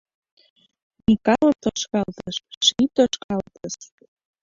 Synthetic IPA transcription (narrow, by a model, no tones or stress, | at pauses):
nikɑlət̪oʃkɑlt̪əʃːit̪oʃkɑlt̪əʃ